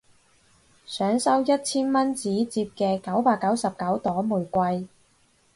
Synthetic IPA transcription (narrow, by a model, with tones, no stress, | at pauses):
sœː˨˥ŋsɐ˥wjɐ˥t̚t͡sʰiː˥nmɐ˥nt͡siː˨˥t͡siː˧p̚kɛː˧kɐ˨˥wpaː˧kːɐ˨˥wsɐ˨p̚kɐ˨˥wt̪ɔː˨˥muː˨˩jkʷɐ˧j